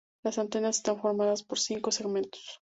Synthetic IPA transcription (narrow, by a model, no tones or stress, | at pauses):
lasant̪e̞nase̞st̪aɱfo̞ɾmaðaspo̞ɾsiŋko̞seɣmẽ̞nt̪o̥s